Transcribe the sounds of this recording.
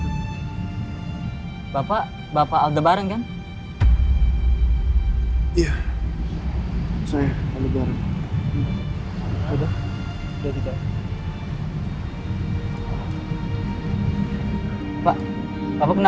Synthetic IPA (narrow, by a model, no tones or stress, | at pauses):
bapa | bapaːld̪əbaɾəŋkan | ija | sajaaldəbaɾəŋ | ada | dakit̪a | pa | bapakəna